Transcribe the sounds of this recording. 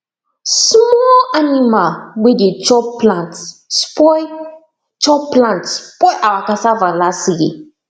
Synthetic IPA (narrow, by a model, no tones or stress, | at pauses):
smɔlanimalwedet͡ʃɔplãntspɔ | t͡ʃɔplãntspɔjʔawakasavãlastjḛ